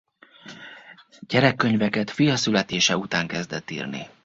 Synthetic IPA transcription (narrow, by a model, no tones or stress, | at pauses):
ɟ̥ɛɾɛkːø̞ɲvɛkɛt̪fijɒsylɛt̪eːʃɛut̪aːŋkɛzd̪ɛt̪ːḭːrnḭ